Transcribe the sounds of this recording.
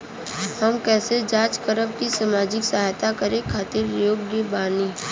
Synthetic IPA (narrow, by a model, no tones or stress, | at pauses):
hɐmkɛːsed͡ʒaːt͡ʃkəɾəbkisamaːd͡ʒɪksɐɦaːjt̪akəɾẽkʰaːt̪ɪɾjoːɡjəbaːniː